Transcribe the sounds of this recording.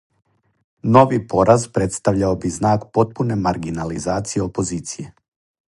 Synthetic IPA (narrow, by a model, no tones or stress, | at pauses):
no̞ʋipo̞ɾazpɾe̞t̪st̪aʋʎaobiznaːkpo̞t̪̚pune̞maɾɡinalizaːt̪sije̞o̞po̞ziːt̪sije̞